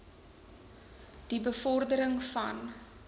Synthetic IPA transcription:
d̥ibəfɔrdəɾəŋfɐ̰n

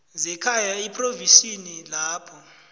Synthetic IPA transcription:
zɛkʰajaipʰʼrovisinilaːpʰɔ

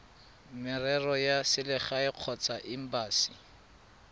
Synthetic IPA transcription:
mɪrɛrɔjasɪlɪχaɪq͡χʰɔt͡saʔɪm̩baːsi̥

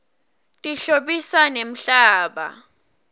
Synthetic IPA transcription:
tʼiɬoɓisanem̩ɬaːɓa̰

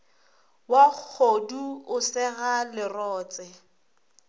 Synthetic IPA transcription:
wak͡xʰoduʊsɛɣalɪrɔːt͡sʼɛ

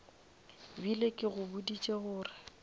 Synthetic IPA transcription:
bilekʼɪɣʊbʊdit͡ʃʼeɣʊːrɪ

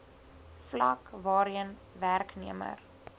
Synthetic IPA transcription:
flɐkvɑːɾiənværkniəmə̰r

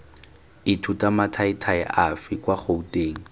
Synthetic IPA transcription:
ɪtʰutʼamatʰaɪtʰaɛʔafɪkʼwaχʰoutʼeːŋ̩

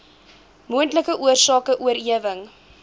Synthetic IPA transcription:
muəntləkəʔuərsɑːkəʔuəɾiəvəŋ

